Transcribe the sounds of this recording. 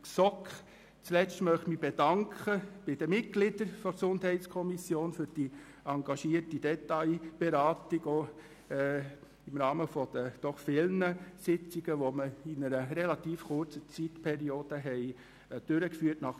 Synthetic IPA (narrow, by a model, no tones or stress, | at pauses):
ksɔk | t͡slɛstmœχtmib̥ɛd̥ɑŋkʰχəb̥ɪd̥əmɪt̚ɡ̥lɪd̥̪əɾfɔksʊndɦɛɪt͡skʰɔmisjoːnfʏɾd̥i | ɑŋɡɑʃiːərtid̥ɛtɑɪb̥ɛɾɑːtɪɡoː | ɪmɾɑːməfɔd̥əd̪̥ɔχfɪlnəsɪt͡siɡ̥əʋoməɪnəɾəɾɛlɑt̪iːfχʊrt͡sət͡sitpʰɛɾioːd̥əɦɛɪ | d̥ʏɾəkfyːrtnɑχ